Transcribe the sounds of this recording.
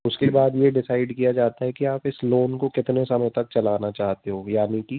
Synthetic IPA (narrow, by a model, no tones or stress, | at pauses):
ʊskebaːd̪jeɖɪsaːɪɖkijad͡ʒaːt̪aɦɛkiaːpɪsloːnkokɪt̪nesɐməjt̪ɐk̚t͡ʃɐlaːnat͡ʃaːɦt̪eɦoːjaːniki